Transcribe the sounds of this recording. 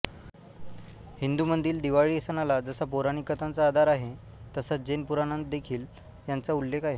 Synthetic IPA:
hind̪umənd̪iːld̪iʋaɭiːesənalad͡zəsapoɾaɽ̃ikət̪ant͡saːd̪ʱaɾaɦe | t̪əsat͡s̚d͡ʑenpuɾanənt̪d̪ekʰiːl | jant͡saulːekʰaɦe

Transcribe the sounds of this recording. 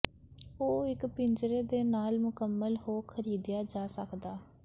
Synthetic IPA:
oːɪkpɪnd͡ʒɾeːd̪eːnaːlmʊkəmːəlhoːkʰəɾiːd̪ɪjaːd͡ʒaːsəkd̪aː

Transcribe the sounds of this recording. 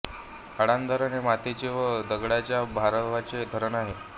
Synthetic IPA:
əɽand̪əɾanimat̪et͡ɕeʋəd̪əɡɽat͡ɕjabʱaɾʋat͡ɕed̪ʱəɾənaɦe

